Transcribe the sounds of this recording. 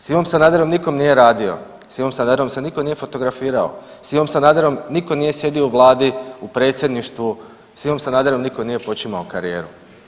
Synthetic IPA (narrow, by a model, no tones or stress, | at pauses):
simomsanaːd̪eɾomniko̞mnije̞ɾaːd̪io̞̰ | simomsanaːd̪eɾomsenikoniːje̞fo̞t̪o̞ɡɾafiːɾao̰ | simomsanaːd̪eɾomniko̞niːje̞sje̞d̪io̞uʋlˠaːd̪iupɾe̞ːt̪sʲje̞d̪niʃt̪ʋu | simo̞msanaːd̪eɾomniko̞nije̞po̞t͡ʃimaokaɾije̞̰ːɾu